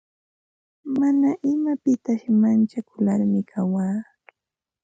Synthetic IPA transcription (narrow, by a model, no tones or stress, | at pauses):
manaʔɪmapɪt̪aʃmant͡ʃakʊlaɾmɪkʰawaː